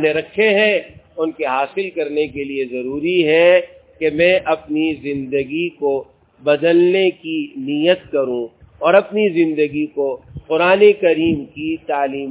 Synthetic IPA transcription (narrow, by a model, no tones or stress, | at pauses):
neɾɐkʰːeɦɛ̃ | ʊnkeɦaːsɪlkɐɾnekeliezɐɾuːɾiɦɛ | kemɛ̃ʔɐpnizɪ̃nd̪əɡiko | bɐd̪əlnekinijət̪̚kɐɾũ | ɔːɾɐpnizɪ̃nd̪əɡikoqʊɾaːnekɐɾiːmkit̪aːliːm